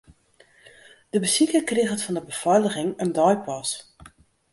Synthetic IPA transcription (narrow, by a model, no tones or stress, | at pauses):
d̥əbəsikəkrɪxətfɔndəbəfɔjləɣɪŋəndɔjpʰɔs